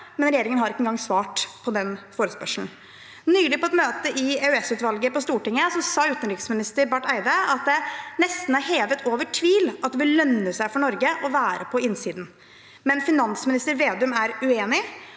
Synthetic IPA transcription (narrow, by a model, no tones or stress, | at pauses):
mɛnɾɛjeːɾɪŋənhɑɾɪkːɛŋ̩ɡɑŋsʋɑːʈpʰɔd̪ɛnfoːɾəspœʂln̩ | nyːlɪpɔɛt̪møːt̪əʔɪeːʉɛsʉːt̪ʋɑlɡəpɔst̪uːʈɪŋːəsɔsɑːʉːt̪ənɾɪksmɪnɪst̪əɾbɑʈːæɪd̪əɑt̪̚d̪ɛnɛst̪n̩æɾheːʋət̪ʰoːʋəʈʰʋiːlɑt̪̚d̪ɛʋɪlːœnːəsæɪfɔɳɔɾɡəʔɔʋæːɾəpʰɔɪnsiːd̪n̩ | mɛnfɪnɑnsmɪnɪst̪əɾʋeːd̪ʉmæɾʉeːnɪ